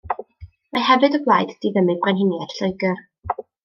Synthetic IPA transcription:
mahɛvɨdəblˠaːjdd̥iðəmɨbrɛnɦɪnjɛtɬɔɨɡər

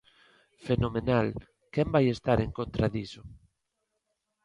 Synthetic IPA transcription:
fenomenal | kɛmbajest̪aɾeŋkont̪ɾaðiso

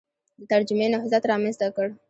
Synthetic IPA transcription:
d̪ət̪ɐɾd͡ʒʊmenaɦzat̪ɾɑmənzt̪akəɽ

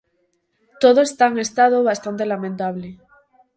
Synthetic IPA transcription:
t̪oðoest̪aŋest̪aðoβast̪ant̪e̞lamẽnt̪aβ̞le

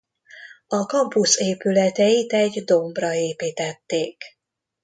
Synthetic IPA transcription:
ɒkɒmpuseːpylɛt̪ɛjit̪ɛɟd̪o̞mbrɒeːpiːt̪ɛt̪ːeːk

